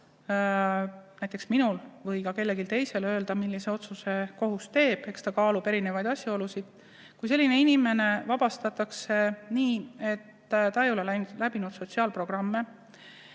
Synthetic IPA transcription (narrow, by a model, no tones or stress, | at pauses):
næjt̪ːˑe̞ksminulvɤjkɑke̞lːe̞ɡilt̪e̞jse̞lø̞ːld̪ɑmilːise̞o̞t̪suse̞ko̞ɦust̪e̞ːb̥e̞kst̪ɑkɑːlube̞ɾine̞vɑjd̪̥ɑsʲjɑo̞lusid̪̥ | kujse̞lːine̞inime̞ne̞vɑb̥ɑst̪ɑt̪ːˑɑkse̞niːe̞t̪ː | t̪ɑe̞jo̞le̞læb̥inud̪̥so̞t̪ʲsiɑːlpro̞ɡ̥rɑmːe̞